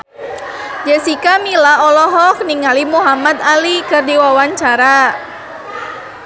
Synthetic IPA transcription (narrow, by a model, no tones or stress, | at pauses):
d͡ʒəsikamilaɔlɔɦɔk̚niŋalimuɦamat̪alikɨrdiwawaɲt͡ʃaɾa